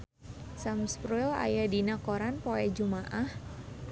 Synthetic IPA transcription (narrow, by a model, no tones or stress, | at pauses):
samspɾuɛla̰jadinakɔɾanpoɛd͡ʒumaʔah